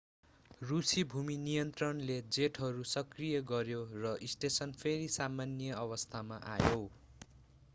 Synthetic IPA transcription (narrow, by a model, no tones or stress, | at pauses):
rusibʱuminijʌnt̪rʌnled͡zeʈɦʌɾusʌkrijʌɡʌɾjorʌʔisʈesʌnpʰeɾisamanjʌʌβʌst̪ʰamaʔa̰jo